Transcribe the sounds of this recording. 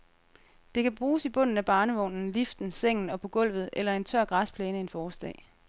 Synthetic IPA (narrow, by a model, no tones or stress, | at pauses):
d̥e̝kʰæb̥ʁuːsib̥ɔ̽n̰n̩æb̥ɑ̈ːnəʋɔ̽nn̩lifd̥n̩seŋ̰n̩ɒ̽pʰɒ̽ɡ̥ɔ̽l̰ʋð̞̩ˠʔelɐe̝nt͡sʰɶɐ̰ɡ̥ʁɑ̈spʰleːnəe̝nfɒːsd̥ɛ̰ː